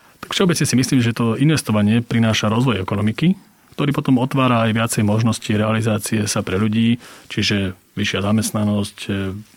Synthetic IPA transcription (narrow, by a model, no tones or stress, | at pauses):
t̪akfʃɛɔbɛt͡sɲɛsimisliːmʒɛt̪ɔinʋɛst̪ɔʋaɲɪɛpɾinaːʃaɾɔzʋɔjɛkɔnɔmiki | kt̪ɔɾiːpɔt̪ɔmɔt̪ʋaːɾaːjʋɪat͡sɛjmɔʒnɔsciɾɛalizaːt͡siɛsapɾɛʎuɟiːt͡ʃiʒɛ | ʋiʃɪazamɛst̪nanɔsc